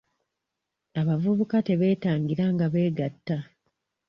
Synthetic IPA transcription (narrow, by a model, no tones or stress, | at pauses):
aβavuβukate̞βe̞ːtaːŋɡiɾaŋɡaβe̞ːɡatːa